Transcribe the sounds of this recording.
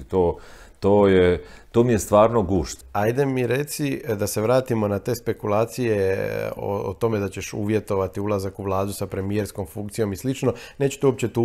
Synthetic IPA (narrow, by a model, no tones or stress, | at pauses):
t̪oː | t̪oːjet̪omijest̪ʋaːɾnoɡuːʃt̪ajd̪e̞miɾe̞t̪sid̪ase̞ʋɾaːt̪imo̞nat̪e̞ːspe̞kulˠaːt̪sije̞o̰o̰t̪o̞me̞d̪at͡ɕe̞ʃṵːʋje̞t̪o̞ʋat̪iulˠazakuʋlˠaːd̪usapɾe̞mijeɾsko̞mfuŋkt̪sijo̞mislit͡ʃno̞ne̞ːt͡ɕu̥t̪euop̚t͡ɕe̞t̪u